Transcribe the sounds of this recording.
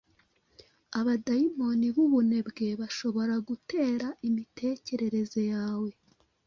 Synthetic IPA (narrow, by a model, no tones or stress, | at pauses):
aβadaimo̞niβuβune̞bɡe̞βaʃo̞βo̞ɾaɡute̞ːɾaʔimitʰe̞ːce̞ɾe̞ɾe̞zo̞jaːwe̞